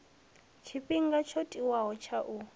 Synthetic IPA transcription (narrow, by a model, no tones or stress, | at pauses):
t͡ʃʰipʼiŋ̩ɡat͡ʃʰotʼiwaɦɔt͡ʃʰaʔu